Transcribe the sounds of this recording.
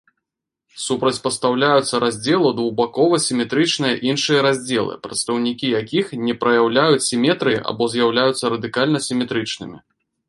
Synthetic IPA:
supɾɐt͡sʲpɐst̪awlʲajut̪sːɐɾazʲd͡zʲɛlˠud̪vuɣbakɔvɐsʲimʲɛt̪ɾɨt͡ʂnɨjɐʔinʂɨjɐɾazʲd͡zʲɛlˠɨ̰pɾɐt̪st̪ɐwnʲikʲijakʲixnʲɛpɾɐjawlʲajut͡sʲsʲimʲɛt̪ɾɨj̰ʔa̰bɔzʲjawlʲajut̪sːɐɾɐd̪ɨkalʲnɐsʲimʲɛt̪ɾɨt͡ʂnɨ̰mʲi

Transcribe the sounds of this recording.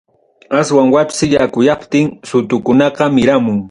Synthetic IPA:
aswaŋwapsɪjakʊjɑpt̪ɪŋsʊt̪ʊkʊnɑqɑmɪɾamʊŋ

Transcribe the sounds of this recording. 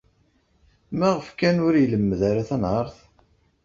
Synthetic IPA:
mæʁəfkænʊɾjələmːəðæɾaθænɑɾˤθ

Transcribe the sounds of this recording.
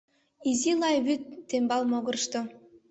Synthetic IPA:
izilˠɑjβyt̪ːembɑlˠmoɡɤ̆rʃt̪o

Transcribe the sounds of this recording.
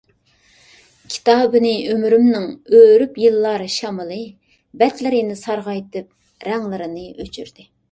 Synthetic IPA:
kʲʰi̥t̪ɑːbɨnɨømɾymnɪŋøɾypjilˠːɑɾɨʃɑmɨlˠɨ | bɛt̪lɪɾɪnɪsɑɾʁɑjt̪ɨp̚ | ɾɛŋlˠɨɾɨnɨʔøt͡ʃʰy̰ɾd̪̥ɪ

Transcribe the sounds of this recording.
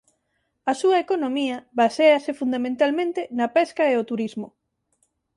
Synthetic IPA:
ɐsuɐekonomiɐβaseɐsɪfund̪amẽnt̪almẽnt̪ɪnɐpɛskɐeot̪uɾizmo

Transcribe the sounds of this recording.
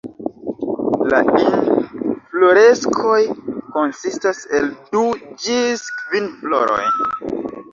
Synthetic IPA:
la̰inflo̞ɾe̞skʰo̞jko̞nsistase̞ldud͡ʒiskvinflo̞ɾo̞̰jn

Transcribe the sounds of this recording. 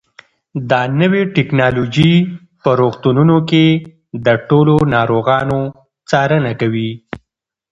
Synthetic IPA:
d̪ɑnəweʈɪknɑlod͡ʒi | pəɾoɣt̪ununoke | d̪əʈolonɑɾoɣɑno | t͡sɑɾənakawi

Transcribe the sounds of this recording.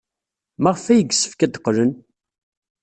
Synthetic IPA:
mæʁəfæjəɡsə̥fkæd̪qːlən

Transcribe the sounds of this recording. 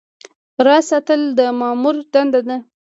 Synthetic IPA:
ɾɑsɑt̪əld̪əmɑmuɾd̪and̪ad̪a

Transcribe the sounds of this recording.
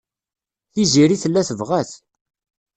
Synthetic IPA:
θiziɾiθəlːæθəvʁæθ

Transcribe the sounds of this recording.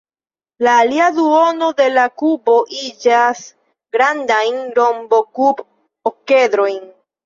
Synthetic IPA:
laːliaduo̞no̞de̞lakubo̞ʔid͡ʒas | ɡɾandajnɾo̞mbo̞kub | oke̞d̪ɾo̞jn

